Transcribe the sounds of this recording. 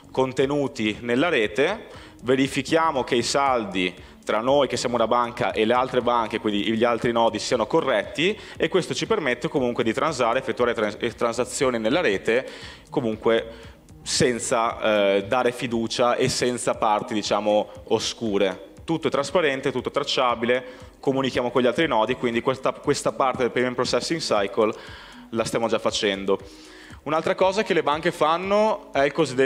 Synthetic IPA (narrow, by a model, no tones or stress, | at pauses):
kont̪enuːt̪inelːaɾeːt̪e | veɾifikjaːmok̟eisald̪i | t̪ɾanːojk̟esːjaːmounabaŋka̰ʔelealt̪ɾebaŋk̟ekwind̪iʎːialt̪ɾinɔːd̪isiːanokorːɛt̪ːi | ekːwest̪ot͡ʃipermet̪ːekomuŋkwed̪it̪ɾansaːɾeefːet̪ːuaːɾet̪ɾansat̪sːjoːninelːaɾeːt̪e | komuŋkwe | sɛnt̪sad̪aːɾefid̪uːt͡ʃaʔesːɛnt̪sapart̪id̪it͡ʃaːmooskuːɾet̪ut̪ːoɛt̪ɾaspaɾɛnt̪et̪ut̪ːot̪ɾat͡ʃːaːbile | komunikjaːmokonʎialt̪ɾinɔːd̪ikwind̪ikwet̪akwest̪apart̪ed̪elpɾimempɾot͡ʃɛsːiŋsajkol | last̪jaːmod͡ʒafːat͡ʃɛnd̪o | unalt̪ɾakɔːzakelebaŋkefanːoɛilkozid̪e